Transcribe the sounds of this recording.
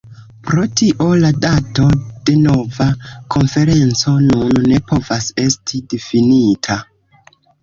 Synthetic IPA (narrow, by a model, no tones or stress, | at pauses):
pɾo̞tiʔo̞ladato̞d̥e̞no̞vakʰo̞nfe̞ɾe̞nt͡so̞nunːe̞po̞vase̞stʰidefinitʰa